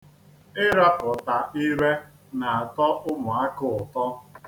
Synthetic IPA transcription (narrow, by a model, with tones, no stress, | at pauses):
ɪ˦ɾa˦pʊ˨ta˨i˦ɾe˦ | na˨a˨tɔ˦ʔʊ˦mʊ˨a˦kʊ˦˨ʊ˨tɔ˦